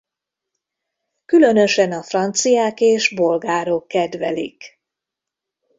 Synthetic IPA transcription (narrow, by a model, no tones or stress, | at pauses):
kylø̞nø̞ʃɛnɒfrɒnt̪sijaːkeːʒbo̞lɡaːɾo̞kːɛd̪vɛlḭk